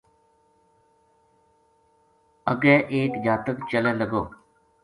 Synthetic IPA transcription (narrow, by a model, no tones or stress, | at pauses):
əɡɛːʔeːkd͡ʒaːt̪əkt͡ʃəlɛ̃ːləɡoː